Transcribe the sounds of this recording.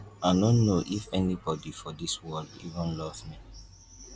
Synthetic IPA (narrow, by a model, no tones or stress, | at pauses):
aɪnõnnːoʔifɛnibɔdifɔdiswɛlḭvə̃nlɔvmi